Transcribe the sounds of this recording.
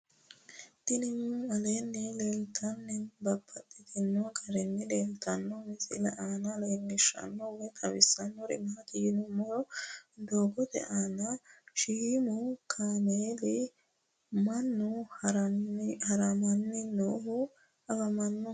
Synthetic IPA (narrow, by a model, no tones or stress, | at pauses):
t̪ɪnɪmːɐlenːɛleːlt̪ʰɐnːɛnbɐbʰɐtːɪt̪ɪnːɔɡɐɾɛnːɛleːlt̪ɐnːɔmɪsɪlɛʔaːnɐleːnːɪʃɐ̰nːɔwɛt̪ʰʼɐwɪsːɐnːɔɾɪ̰mɐɐt̪ɪjɪnʊmːɔɾɔd̪oːɡɔt̪ɛ̰ʔaːnɐʃimʊkʰaːmeːlɪ | mɐnːʊ | hɐɾɐmɐnːɪnoːɦʊ | ɐfɐmɐnːʊ